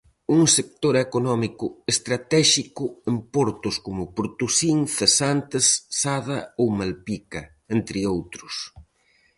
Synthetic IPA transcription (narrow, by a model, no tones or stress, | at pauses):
uŋsek̚t̪oɾekonɔmikʊest̪ɾat̪ɛʃikʊempoɾt̪ʊskomʊpɾt̪usiŋθesant̪esːaðɐowmalpikɐ | ent̪ɾɪowt̪ɾʊs